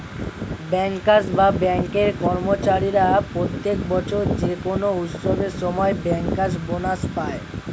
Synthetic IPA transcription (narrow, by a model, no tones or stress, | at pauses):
bɛŋkːasbabɛŋkeɾkɔɾmot͡ɕaɾiɾapɾot̪ːekbɔt͡ɕʰoɾd͡ʑekonout̪soɡeɾʃɔmɔebɛŋkkasbonaʃpae